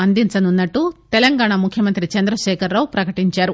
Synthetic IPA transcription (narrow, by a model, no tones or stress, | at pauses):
ɐnd̪int͡ʃɐnunːɐʈːut̪ɛlɐŋɡaːɳamukʰjɐmɐnt̪ɾit͡ʃɐnd̪ɾɐʃɛːkʰɐɾːaːwupɾɐkɐʈiɲt͡ʃaːɾu